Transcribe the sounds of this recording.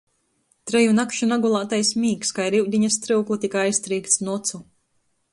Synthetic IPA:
t̪ɾɛjunakʃunaɡulˠaːt̪ajsmʲiːkskajɾiwd̪ʲiɲast̪ɾɨwklˠit̪ikajst̪ɾiːkt̪snɔt̪su

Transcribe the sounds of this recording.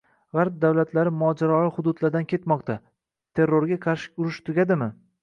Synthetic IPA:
ʁɑɾp̚d̪awlat̪ʰlaɾɪmʊɒd͡ʒaɾɒlˠɪhʊd̪ʊd̪laɾd̪ankʲʰe̞t̪mɒqt̪ʰa | t̪ʰe̞ɾːoɾɡʲaqʰɑʃɪ̥kʲʊɾɪʃt̪ʰʊɡʲad̪ɪmɪ

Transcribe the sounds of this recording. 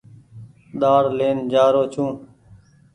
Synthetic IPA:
ɗ̪aːɾleːnd͡ʒaːɾoːt͡ʃʰũː

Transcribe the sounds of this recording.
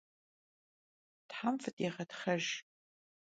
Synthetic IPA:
tħamfɨtʼeʁɐtχɐʒ

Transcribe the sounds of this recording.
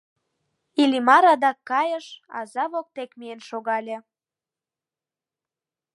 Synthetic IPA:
ilʲimɑɾɑd̪ɑkːɑjəʃɑ̰zɑβok̚t̪ekmienʃoɣɑlʲe

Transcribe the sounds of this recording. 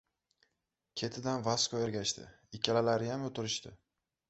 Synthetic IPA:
kʲʰe̞t̪ʰɪd̪anvaskɒjeɾɡʲaʃt̪ɪ̰ | ɪkʲʰalalaɾɪjamot̪ɪɾɪʃt̪ɪ

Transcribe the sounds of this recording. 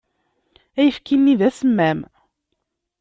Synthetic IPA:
æjəfkinːiðæsəmːæm

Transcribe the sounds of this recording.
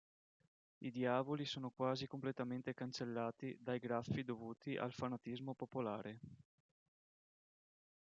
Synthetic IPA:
id̪jaːvolisoːnokwaːzikomplet̪ament̪ekant͡ʃelːaːt̪id̪ajɡɾafːid̪ovuːt̪iʔa̰lfanat̪izmopopolaːɾe

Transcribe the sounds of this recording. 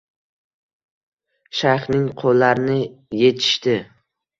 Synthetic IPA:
ʃaɾχnɪŋqʰolːaɾɪnɪje̞t̪ʰɪ̥ʃt̪ɪ

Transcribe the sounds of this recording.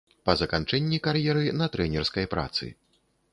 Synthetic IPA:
pɐzɐkant͡ʂɛnʲːikarjɛɾɨnɐt̪ɾɛnʲɛrskɐjpɾʔa̰t̪sɨ̰

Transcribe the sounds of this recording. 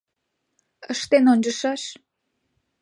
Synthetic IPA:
əʃt̪enonʲd͡ʑəʃɑʃ

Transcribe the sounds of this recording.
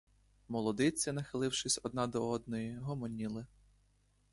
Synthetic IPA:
mɔlˠɔd̪ɪt͡sʲːɐnɐxɪlˠɪwʃɪsʲɔd̪nɑd̪ɔɔd̪̚nɔjiɦɔmɔnʲilˠɪ

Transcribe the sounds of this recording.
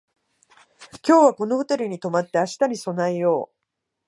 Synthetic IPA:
kʲo̞ːβako̞no̞hot̪eɾɯ̟ɲ̟it̪o̞mat̪ːe̞aɕi̥t̪aɲ̟iso̞naijo̞ː

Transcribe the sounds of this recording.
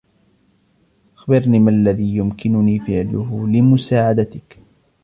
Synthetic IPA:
ʔaxbɪɾniːmaʔlːaðiːjʊmkɪnʊniːfɪʕlʊɦlɪmʊsaːʕad̪at̪ɪk

